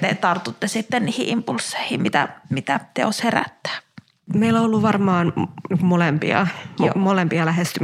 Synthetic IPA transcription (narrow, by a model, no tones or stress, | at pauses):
t̪et̪ɑrt̪ut̪ːesit̪ːenniːhiʔimpulsːeˑihimit̪æ̰mit̪æt̪ḛosheræ̰t̪ːæ̥ː | meilːoolːuʋʋɑrmɑːnniŋkummolempḭɑ̰molempiɑlæhest̪y